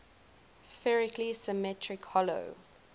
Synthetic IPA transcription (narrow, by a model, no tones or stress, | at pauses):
sfɛɹɪklisɪmɛtʰɹɪkhɔlo̰ʊ